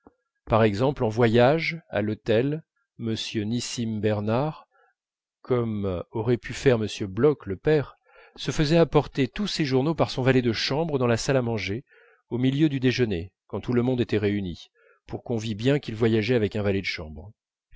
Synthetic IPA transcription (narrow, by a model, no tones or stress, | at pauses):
paʁɛɡzɑ̃plɑ̃vwajaʒa̰lot̪ɛl | məsjønisimbɛʁnaʁ | kʰɔmɔʁɛpʰyfɛʁməsjøblɔkləpɛʁ | səfəzɛapɔʁt̪et̪useʒuʁnopaʁsɔ̃valɛd̪əʃɑ̃bʁəd̪ɑ̃lasalamɑ̃ʒe | omiljød̪yd̪eʒənekɑ̃t̪uləmɔ̃d̪et̪ɛʁeyni | puʁkɔ̃vibjɛ̃kʲilvwajaʒɛavɛkɛ̃valɛd̪əʃɑ̰̃bʁ